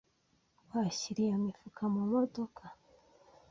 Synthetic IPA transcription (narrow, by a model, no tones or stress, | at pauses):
waɕiɾijamifukʰamumodokʰa